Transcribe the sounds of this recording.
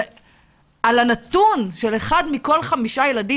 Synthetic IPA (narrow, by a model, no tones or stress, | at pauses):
alanat̪unʃeleχadmiko̞lχamiʃaje̞ladi